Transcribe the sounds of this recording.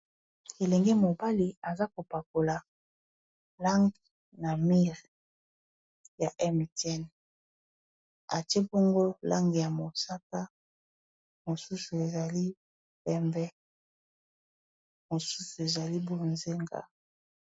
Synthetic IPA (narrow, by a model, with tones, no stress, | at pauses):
e˨lɛ˨ŋɡɛ˦mo˨ba˦li˨a˨za˦ko˨pa˨ko˨la˨ | la˦ŋɡi˨ | na˨mi˦ʁ | ja˨ʔɛ˦m˨tɛ˦n | a˨ti˦e˦bo˦ŋɡo˦la˦ŋɡe˨ja˨mo˨sa˦ka˦ | mo˨su˦su˨e˨za˨li˦ | bɛ˦mbɛ˦ | mo˨su˦su˨e˨za˨li˦bo˦nze˦ŋɡa̰˨